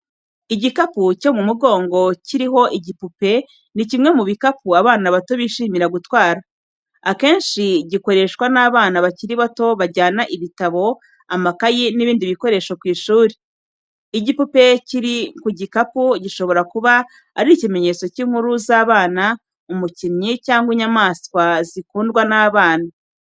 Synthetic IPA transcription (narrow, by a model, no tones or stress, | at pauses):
iɟikapuco̞mumuɡo̞ːŋɡo̞ciɾiɦo̞ʔiɟipupe̞ | nicimŋe̞muβikapuaβaːnaβato̞βiːʃiːmiɾaɡutwaːɾa | ake̞ːnʃiɟiko̞ɾe̞ʃkwanaːβaːnaβaciɾiβato̞βaɾɟaːnaʔiβitaβo̞ | amakajiniβiːndiβiko̞ɾe̞ːʃokwiːʃuːɾiː | ɟipupe̞ciɾikuɟikapuɟiʃo̞βo̞ɾakuβa | a̰ɾicime̞ɲe̞t͡so̞ciːŋ̥huɾuzaːβaːna | umucimɲicaːŋɡwiɲamaːskwazikuːndɡwanaːβaːna